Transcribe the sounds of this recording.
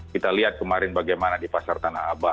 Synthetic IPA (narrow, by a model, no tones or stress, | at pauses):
kit̪aliɦat̪̚kəmaɾɪnbaɡajmanadipasart̪anahɦaba